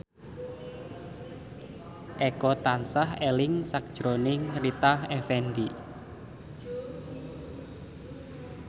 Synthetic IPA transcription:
ʔɛkɔt̪ansaɦelɪŋsak̚d̥ʒ̥ɾonɪŋrit̪ahɛfɛndi

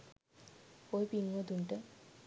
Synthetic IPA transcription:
ojpiŋːod̪unʈe

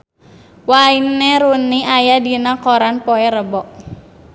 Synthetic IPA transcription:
wainːeɾuniʔajadinakɔɾanpoɛɾəbɔʔ

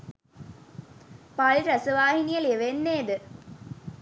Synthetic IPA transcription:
paɭɾɐsɐʋaːhinijɐleʋenːeːd̪ɨ

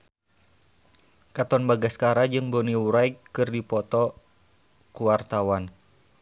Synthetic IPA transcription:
kat̪ɔnbaɡaskaɾad͡ʒɨŋboniuɾajkɨrdipɔt̪ɔ | kuwart̪awan

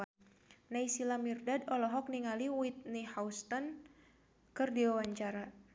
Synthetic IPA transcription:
naisilamirdadɔlɔɦɔk̚niŋaliwit̪̚nihaust̪ɔn | kɨrdiwawaɲt͡ʃaɾa

